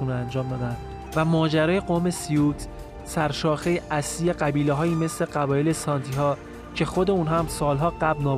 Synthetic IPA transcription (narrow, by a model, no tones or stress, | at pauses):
unænd͡ʒɒːmd̪ɒːd̪ænd̪ | væmɒːd͡ʒæɾɒːje̞ɡoːme̞sijuːt̪ʰ | sæɾʃɒːxe̞jeʔæslijeɢæbiːleɦɒːjiːme̞sle̞ɢævɒːjele̞sɒnt̪ʰiɦɒː | cʰe̞xo̞d̪e̞unɦæmsɒːlɦɒːɢæblnɒː